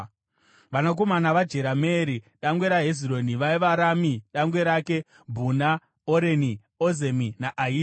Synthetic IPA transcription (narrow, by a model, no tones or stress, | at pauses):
ʋanak̬o̞manaʋad͡ʒe̞ɾameːɾi | ɗaŋɡwe̞ɾaɦeziro̞niʋaiʋaɾamiɗaŋɡwe̞ɾake̞ | bʱuna | oɾeni | oze̞minaʔaɦiː